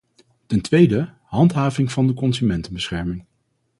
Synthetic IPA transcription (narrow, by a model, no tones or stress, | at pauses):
tɛntʋejdə | ɦɑntɦaːvɪŋv̥ɑndəkɔnzymɛntənbəsχɛɹmɪŋ